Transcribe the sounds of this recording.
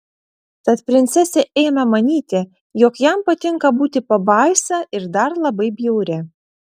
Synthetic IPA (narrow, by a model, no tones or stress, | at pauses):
t̪ɐt̪pʲɾʲɪnʲt̪sʲɛsʲɛʔɛɪnɐmɐnʲiːt̪ʲɛ | jɔkjæmpɐt̪ʲɪŋkɐbuːt̪ʲɪpɐbɐɪsɑʔɪɾd̪ɐɾlˠɐbɐɪbʲjɛʊɾʲɛ